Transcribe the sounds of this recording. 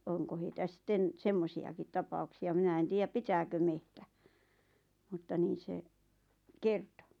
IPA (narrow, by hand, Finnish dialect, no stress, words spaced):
oŋko heitæ sĭtːen semːosiɑkit tɑpɑuksiɑ minæ en tiːjæp pitæːkø mehtæ mutːɑ niːn̞ se kerto